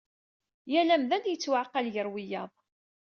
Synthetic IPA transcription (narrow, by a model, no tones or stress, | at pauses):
jælæmðænjət͡sːwaʕqːɑljəɾwijɑðˤ